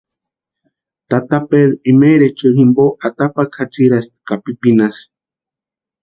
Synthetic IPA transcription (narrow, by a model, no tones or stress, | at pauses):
t̪at̪aped̪ɾimeɾet͡ʃoɣimboʔat̪apakʰat͡siɾast̪kapipinas